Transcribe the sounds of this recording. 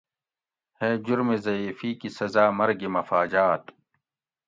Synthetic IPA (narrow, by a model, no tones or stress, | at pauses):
heːd͡ʑʊɾmezɐiːfiːkisɐzaːmɐɾɡimɐfaːd͡ʑaːt̪